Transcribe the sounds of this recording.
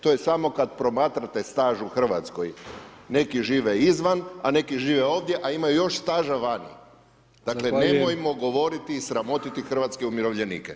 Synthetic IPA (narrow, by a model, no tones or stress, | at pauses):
t̪o̞je̞samo̞kad̪pɾo̞maːt̪ɾat̪e̞st̪aːʒuuxr̩ʋa̰t̪sko̞̰jne̞kiʒiːʋeizʋanane̞kiʒiːʋeo̞ːʋd̪je̞ʔaimajujo̞ʃst̪aːʒaʋaɲḭ | d̪̥aːklenemojmo̞ɡo̞ʋo̞ɾit̪iːsɾamo̞t̪it̪ixr̩ʋat̪skeumjiɾo̞ʋʎenḭːke